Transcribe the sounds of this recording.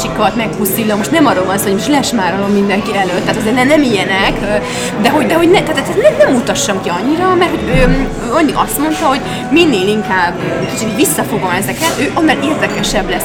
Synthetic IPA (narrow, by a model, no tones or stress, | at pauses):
ʃikɒt̪mɛkpusilːomoʃt̪nɛmɒrːolvɒnsoːoɟmoʃtlɛɛʃmaːɾolommind̪ɛŋkiɛløːt̪ːaːt̪ɒzeːrnɛnɛmijɛnɛk | d̪ɛɦo̞ɟd̪ɛɦo̞ɟnɛt̪aːt̪ɛt̪sɛnɛnɛmut̪ɒʃːɒmkiɒɲːiɾɒmɛrt̪ho̞ɟøː | øːɒɲːiʔɒst̪mo̞nt̪ɒɦo̞ɟ | minːeːliŋkaːbøt̪it̪ʰoojvisːɒfo̞ɡo̞mɛzɛkɛt̪øːʔonːɒleːrd̪ɛkɛʃɛblɛs